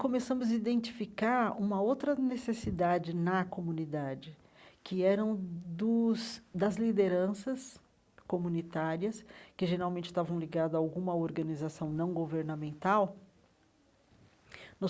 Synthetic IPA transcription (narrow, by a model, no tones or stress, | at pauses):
komesɐ̃mʊzɐid̪ẽnt͡ʃi̥fikaɾũmɐowt̪ɾɐnesesid̪ad͡ʒɪnɐkomũnid̪ad͡ʒɪ | kɪɛɾɐ̃w̃d̪ʊsd̪ɐzlid̪eɾɐ̃sɐs | komũnit̪aɾiɐskɪʒeɾawmẽnt͡ʃɪ̥st̪avɐ̃w̃liɡad̪ʊaawɡũmɐoɾɡɐnizasɐ̃w̃nɐ̃w̃ɡoveɾnɐmẽnt̪aw | nʊ